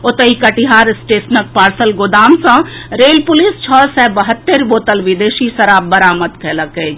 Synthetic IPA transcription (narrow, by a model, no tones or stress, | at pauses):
ʊt̪əikɐʈiɦaːɾɪsʈeːsnək̚paːɾsəlɡʊd̪aːmsãɾeːlpʊlist͡ʃʰɔːsɛbɐɦət̪ːeɾboːt̪əlʋɪd̪eːʃisɐɾaːb̚bɐɾaːmət̪kʰɛːləkə